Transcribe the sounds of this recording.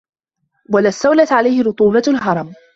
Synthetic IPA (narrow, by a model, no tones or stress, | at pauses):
walaːst̪ːawlat̪ʕalajhɪɾʊt̪ˤuːbalɦɑɾˤɑm